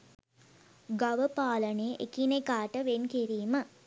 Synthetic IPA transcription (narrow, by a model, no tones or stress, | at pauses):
ɡaʋəpaːləneːʔḛkinekaːʈəʋenkiɾiːmə